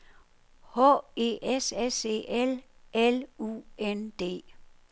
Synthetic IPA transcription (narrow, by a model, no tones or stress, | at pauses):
hɔ̰e̝̰ːesese̝̰ːʔelelṵːend̥e̝̰ː